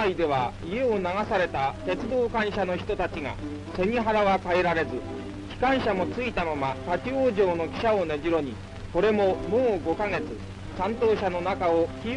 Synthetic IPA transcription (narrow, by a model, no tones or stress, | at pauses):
aid̪e̞β̞a | ie̞o̞naɡasaɾe̞t̪at̪e̞t͡sɨd̪o̞ːkãɰ̃ɕano̞çi̥t̪o̞t̪at͡ɕiɡa̰ | se̞ɲ̟iɦaɾaβakaeɾaɾe̞zɨ | kʲi̥kãɰ̃ɕamo̞t͡sɨit̪amamat̪akʲioːʑo̞ːno̞kʲi̥ɕao̞neʑʲiɾo̞ɲ̟i | ko̞ɾe̞mo̞mõːɡo̞kaŋe̞t͡sɨ | sãnt̪o̞ːɕano̞nakaokʲi